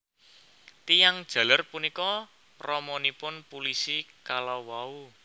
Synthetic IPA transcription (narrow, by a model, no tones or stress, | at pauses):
t̪ijaŋd̥ʒ̥ä̤larpunikɔ | rɔmɔnipʊnpulisikalɔwau